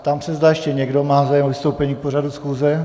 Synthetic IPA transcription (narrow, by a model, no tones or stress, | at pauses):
t̪amsɛzdaːjɛʃcɛɲɛɡdo̞maːzaːjɛmovɪst̪owpɛɲiːk̚por̝adusxuːzɛ